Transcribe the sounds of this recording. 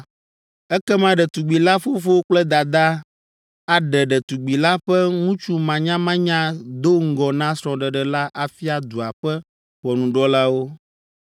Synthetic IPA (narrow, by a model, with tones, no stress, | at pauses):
ɛ˦kɛ˦mã˦ɖɛ˨t̪u˨ɡ͡bi˨la˦fo˦fo˦wo˦k͡plɛ˦d̪a˨d̪a˦ | a˨ɖɛ˨ɖɛ˨t̪u˨ɡ͡bi˨la˦ɸɛ˦ŋũ˦t͡ʃu˦mã˨ɲã˦mã˦ɲã˦d̪o˦ŋ̩˦ɡɔ˨nã˦sɾɔ̃˨ɖɛ˨ɖɛ˨la˦ʔa˨fi˦a˨d̪u˨a˨ɸɛ˦ | ɸɔ˨nũ˨ɖɔ˦la˦wo˦